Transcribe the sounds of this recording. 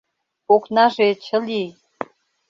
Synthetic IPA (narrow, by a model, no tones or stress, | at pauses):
oknɑʒet͡ɕʰə̆li